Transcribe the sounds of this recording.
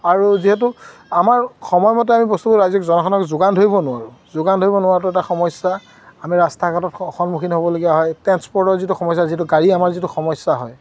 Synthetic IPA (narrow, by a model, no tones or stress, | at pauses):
aɹuziɦɛt̬uamaɹxɔmɔjmɔt̬ɛamipost̪uboɹazɔkzɔnɔkʰɔnɔkzʊɡandʱoibɔnʊwaɹuzʊɡandʱoibɔnʊwaɹtʊɛtaxɔmɔsːa | amiɹastʰakatɔtɔxɔnmuxʰinɦobɔloɡiaɦɔjtɛnspɔɹdɔɹzituxɔmɔsaziɦɛtuɡaɹiamaɹzituxɔmɔsːaɦɔj